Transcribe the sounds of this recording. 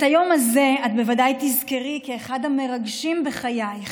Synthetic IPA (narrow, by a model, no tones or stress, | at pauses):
tajo̞mazeat̪be̞vadajt̪izkeʁikeːχad̪hame̞ʁaɡʃimbeχajaj